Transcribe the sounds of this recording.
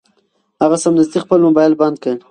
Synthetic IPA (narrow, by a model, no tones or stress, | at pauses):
haɣasamnɪzd̪ixpəlmʊbajlband̪̚kə